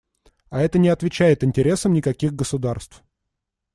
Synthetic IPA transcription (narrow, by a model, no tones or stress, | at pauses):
ɐɛt̪ənʲɪɐt̪vʲɪt͡ɕæjɪt̪ɪnʲtʲɪɾʲesəmnʲɪkɐkʲiɣɡəsʊd̪arst̪f